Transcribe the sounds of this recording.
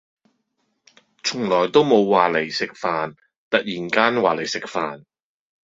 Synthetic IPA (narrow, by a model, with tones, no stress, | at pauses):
t͡ʃʰʊ˨˩ŋlɔː˨˩jt̪o˥wmo˨˧wːaː˨le˨˩jsɪ˨k̚faː˨n | t̪ɐ˨k̚jiː˨˩nkaː˥nwaː˨le˨˩jsɪ˨k̚fa̰ː˨n